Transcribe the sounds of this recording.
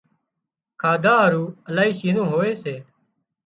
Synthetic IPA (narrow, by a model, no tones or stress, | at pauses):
kʰaːd̪ʱaːɾuːəlaːiːʃiːnõːɦoːeːseː